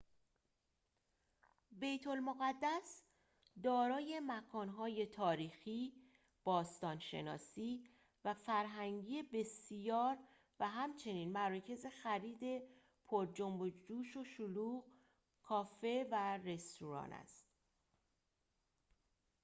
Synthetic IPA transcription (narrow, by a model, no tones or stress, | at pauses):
be̞jt̪ʰo̞lmoɣæd̪ːæs | d̪ɒːɾɒːje̞mækʰɒːnɦɒːje̞t̪ʰɒːɾiːxiː | b̥ɒːst̪ɒːnʃe̞̰nɒ̰ːsiː | væfæɾɦæŋɟiːebe̞sjɒːɾ | væɦæmt͡ʃʰe̞niːnmæɾɒːcʰe̞ze̞xæɾiːd̪e̞ | pʰoɾd͡ʒombod͡ʒuːʃo̞ʃuluːɣ | kʰɒːfe̞væɾe̞st̪uɾɒ̰ːnæ̰st̪